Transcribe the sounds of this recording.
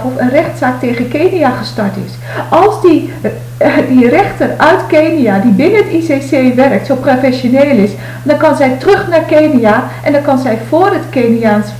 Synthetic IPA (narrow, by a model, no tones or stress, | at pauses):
ɔfənrɛxtsaːk̚teːɣənkeːniaχəstɔɹtɪ̰s | ʔɑlˠzdi | dirɛxtərœɥtkejnijadibɪnənətiseseːʋɛrək̚tsowprofɛsjoneːlɪs | dɔnkɑnzɛjtrøxnarkeːnijaʔɛndɔnkɑnzɛjv̥oːrətkeniaːns